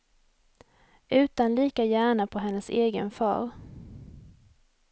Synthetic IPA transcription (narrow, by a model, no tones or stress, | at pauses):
ʔʉ̟ːt̪anliːkajæːɳapʰɔɦɛnːəseːɡənfɑ̰ːɾ